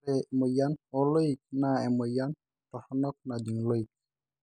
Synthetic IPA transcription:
ɛmɔjanɔlɔik̚naɛmɔjan | tɔhɔnɔk̚nad̪iŋloik̚

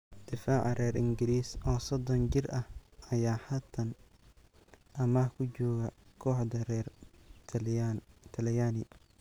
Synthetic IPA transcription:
d̪̥ɪfaːʕɑrɛːrɪŋɡɪliːsʔɔːsɔd̪ɔnt͡ʃɪrɐhɐjaːhaːt̪ʰɐn | ʔɐmɐhkʰʊd͡ʒɔːɣɐkʰɔːħd̪ɐrɛrʰ | t̪ʰɐljaːnɪ

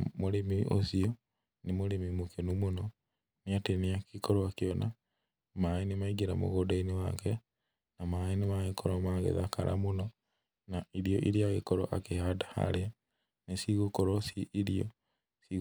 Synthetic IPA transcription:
moɾemiʔo̰sio | nemoɾemimukenumonɔ | niateniakikoɾoakjɔna | maenemaiɡiɾamo̰ɣodainewa̰kɛ | namaenemaɣekʰoɾomaɣḛðaka̰ɾʔa̰monɔ | naiɾijoʔiɾiaɣekoɾoʔakehadḁha̰ɾea | nesiɣokoɾosiʔːɾio̰ | si

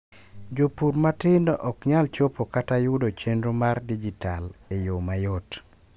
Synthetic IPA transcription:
d͡ʒopuɾmatɪndɔʔɔkɲalt͡ʃopokatajʊdot͡ʃendɾomardid͡ʒitalejomajot

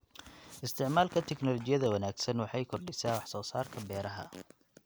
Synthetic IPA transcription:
ɪst̪ʰɪʕmaːlkʰɐt̪ʰɛknɔlɔt͡ʃɪjɐðɐwɐnaːɡsɐnwɑħɑjkʰɔrɖɪsaːwɑħsɔːsaːrkʰɐbɛːɾɐɦɐ̰

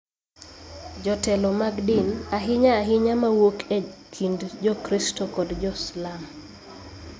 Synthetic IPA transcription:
d͡ʒɔtɛlɔmaɡdinaɦɪɲaːɦɪɲamawokʰekʰindd͡ʒɔkɾistɔkɔdd͡ʒɔslam

